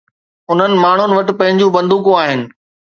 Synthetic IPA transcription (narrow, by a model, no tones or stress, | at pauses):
ʊn̤ənɪ̆maːɳ̤ʊnɪʋɐʈɪ̆pɐ̃ɦɪ̃ɲd͡ʑũbɐ̃nd̪ʱuːkũaːɦɪnɪ̆